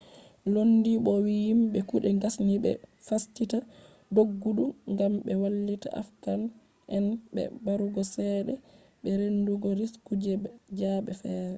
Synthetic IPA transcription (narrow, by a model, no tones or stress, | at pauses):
lonːdiɓɔwijimɓɛkuɗɛŋɡasniɓɛ̰fastita | doɡːuɗuŋɡamɓɛwalːita̰ʔa̰fkan | ʔɛnbɛ̰baɾuɡɔsɛːɗɛ | ɓɛɾenduɡɔɾiskud͡ʒɛd͡ʒaːɓɛfɛːɾɛ